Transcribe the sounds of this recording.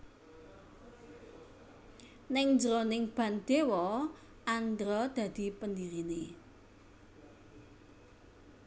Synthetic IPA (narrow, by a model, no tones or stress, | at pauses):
nɪŋnd͡ʒɾonɪŋb̥ä̤nd̪̥ewɔ | and̪ɾɔd̪̥ä̤d̪̥i̤pənd̪iɾine